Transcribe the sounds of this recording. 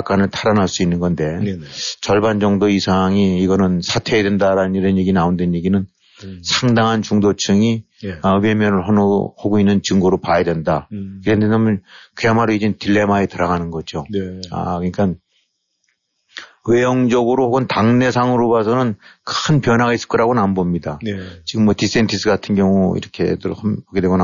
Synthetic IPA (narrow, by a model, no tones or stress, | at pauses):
k͈anɯɭtʰaɾanaɭs͈uinːɯnɡʌnde̞t͡ɕʌɭband͡ʑʌŋdoisʰaŋiːɡʌnɯnsʰatʰe̞edwendaɾanɯniɾʌnje̞ɡinaondenjeɡinɯn | sʰaŋdaŋɦant͡ɕuŋdot͡ɕʰɯŋi | ʌwe̞mjʌnɯɭhʌnhoɡoinːɯnt͡ɕɯŋɡoɾopajadwe̞ndakiɾʌndenamʌnkɯjamaɾoid͡ʑetiɭːe̞maetɯɾaɣanɯnɡʌd͡ʑoa̰kɯɲik͈an | we̞jʌŋd͡ʑʌɡɯɾohoɡɯntaŋne̞sʰaŋɯɾobasʰʌnɯnkɯnpjʌnɦaɡais͈ɯ̥ɭk͈ʌɾaɡonambʌmɲidat͡ɕiɡɯmːʌtis͈entʰis͈ɯɡatʰɯnɡjʌŋuḭɾʌkʰe̞̰dɯhpoɡedwe̞ɡona